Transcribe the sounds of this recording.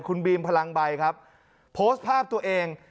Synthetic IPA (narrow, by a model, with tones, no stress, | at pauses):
kʰu˧nbiː˧mpʰa˧la˧ŋba˧jkʰa˦˥p̚ | pʰoː˦˥st̪̚pʰaː˥˩p̚t̪u˧ɐəʔeː˧ŋ